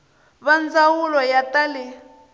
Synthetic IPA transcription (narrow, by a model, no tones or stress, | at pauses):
βand͡zawulɔjatalɪ